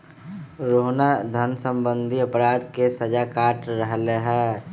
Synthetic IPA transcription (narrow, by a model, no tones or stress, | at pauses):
ɾoɦnad̪ʱənsəmbənd̪ʱiəpɾaːd̪kesəd͡ʒakaːʈɾəɦleɦɛː